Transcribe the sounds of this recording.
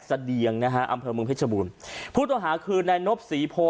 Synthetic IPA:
sa˧di˨˩əŋna˦˥kʰa˦˥ʔa̰˧mpʰɤː˧mɯ˧ŋpʰe˦˥sʰa˧buː˧npʰuː˥˩t̪ɔ˧˥˩ŋɦaː˩˦kʰɯː˧nːaː˧jno˦˥p̚siː˩˦pʰoː˧

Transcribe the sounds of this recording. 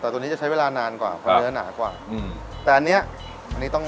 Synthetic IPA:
t̪ɛː˨˩t̪ːn˦˥t͡ɕa˨˩t͡ɕa˦˥jweː˧laː˧naː˧nkwa̰ː˨˩pʰɔ˦jɯː˦˥na̰ː˩˦kwa̰ː˨˩˧t̪ɛː˨˩ʔa˧nːi˦˥ɐ | ʔa˧nːiː˦˥t̪ɔ˥˩ŋ

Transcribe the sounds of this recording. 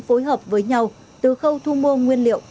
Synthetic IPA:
fo˨˦jɦəː˨˩p̚vəː˨˦jɲa˧w | t̪ɨ˨˩xə˧wt̪ʰu˧mo˧ŋwi˧ənlḭ˧˨əw

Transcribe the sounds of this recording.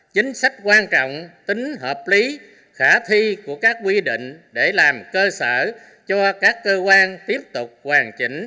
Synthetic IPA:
t͡ɕï˨˦ŋ̟sa˦˥jk̟̚kwaː˧nt͡ɕɔ̰˧˨wŋ͡mt̪i˨˦ŋ̟ɦəː˨˩p̚li˨˦ | xaː˧˩t̪ʰi˧ku˧˩əkaː˦˥k̚ːwi˧ɗḭ̈˧˨ŋ̟ɗe˧˩laː˨˩mkəː˧səː˧˩ | t͡ɕɔ˧kaː˦˥kːəː˧kwaː˧nt̪i˦˥əp̚t̪ʊ˨˩k͡p̚kwaː˨˩ŋt͡ɕḭ̈˧˩ŋ̟

